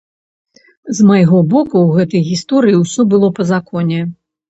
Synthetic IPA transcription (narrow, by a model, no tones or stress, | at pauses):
zmajɣɔbɔkuwɣɛt̪ɐjɣʲist̪ɔɾɨjiwsʲɔbɨlˠɔpɐzakɔnʲɛ